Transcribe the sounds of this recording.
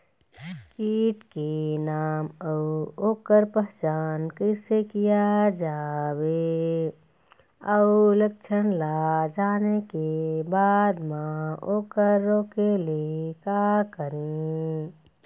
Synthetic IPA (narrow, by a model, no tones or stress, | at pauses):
kiːʈkenaːməuoːkəɾpəɦt͡ʃaːnkəɪsekijad͡ʒaːwe | əuləkt͡ʃʰənlad͡ʒaːnekebaːd̪mãoːkəɾːõːkeliekaːkəɾẽ